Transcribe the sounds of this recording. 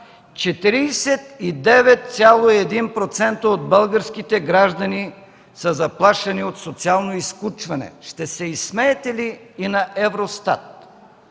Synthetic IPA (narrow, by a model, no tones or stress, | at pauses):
t͡ʃɛt̪iɾiːsɛt̪id̪ɛvɛt̪̚t̪sʲalˠoiɛd̪inpɾot̪sɛnt̪əod̪̚bəlˠɡəɾskit̪ɛɡɾaʒd̪ɐni | səzɐplˠaʃɐniot̪sot̪sialˠnoiskut͡ʃvɐnɛ̰ʃt̪ɛsɛismɛːt̪ɛliːnɐʔɛvɾost̪a̰t̪̚